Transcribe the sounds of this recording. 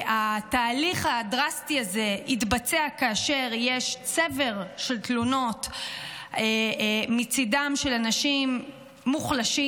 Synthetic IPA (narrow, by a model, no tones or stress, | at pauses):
ataːliχhadʁastiaze̞itbat͡seakaaʃe̞ʁjeʃt͡seve̞ʁʃelt̪luno̞t | emit͡sidamʃelanaʃimː | uχlaʃi